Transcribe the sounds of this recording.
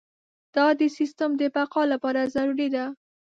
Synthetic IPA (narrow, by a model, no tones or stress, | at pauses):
d̪̥ɑd̪əsist̪amd̪əpaqɑlapɑɾazaɾuɾid̪a